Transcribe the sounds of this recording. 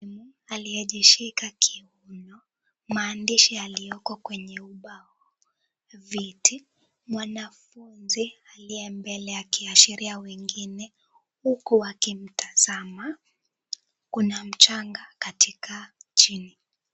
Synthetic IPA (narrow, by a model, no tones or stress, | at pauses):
mualiɛʄiʃikakʰiunɔ | maːndiʃialijɔkɔkwɛɲɛuɓa | vitʰi | mwanafunzialiɛmbɛlɛakiaʃiɾiawɛŋɡinɛ | hukuwakim̩taz̥ama | kunam̩t͡ʃaŋɡakatʰikat͡ʃini